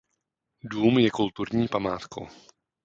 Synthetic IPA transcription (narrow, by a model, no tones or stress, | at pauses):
duːmjɛkult̪uɾɲiːpamaːt̪kʰo̰w